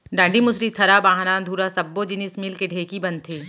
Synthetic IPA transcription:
ɖãːɳɖimʊsɾit̪ʰɐɾabãːɦanaːnd̪ʱuːɾasɐbːod͡ʒɪnɪsmilkeɖʱeːkibɐnt̪ʰeː

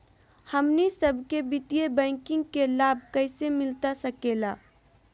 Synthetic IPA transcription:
həmnisəbʱkebɪt̪ijebɛ̃ːŋkɪ̃ŋɡkelaːb̚ʱkəɪsemɪlt̪asəkeːlaː

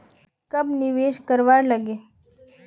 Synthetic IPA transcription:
kəbnɪʋeːʃkəɾʋaːɾləɡeː

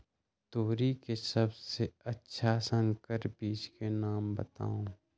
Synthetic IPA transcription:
t̪oːɾikesəbseətːʃʰasə̃ŋkəɾbiːt͡ʃkenaːmbə̰t̪a̰ːũː

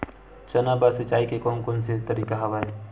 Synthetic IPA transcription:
t͡ʃənabasɪt͡ʃaːikekoːnkonset̪əɾiːkaɦɐʋaːe

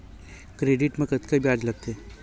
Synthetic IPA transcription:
kɾeːɖɪʈmẽkət̪kəbjaːd͡ʒlɐɡ̚t̪e

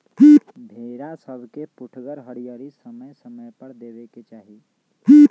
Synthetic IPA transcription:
b̪ʱeːɾasəbʱkepʊʈʰɡəɾɦəɽijəɾisəməjsəməjpəɾd̪eːʋeket͡ʃaːɦi

